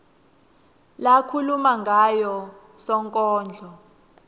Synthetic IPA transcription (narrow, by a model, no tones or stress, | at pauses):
lakʰulumaŋɡʱajɔ | sɔŋkʼɔːnd͡ɮʱɔ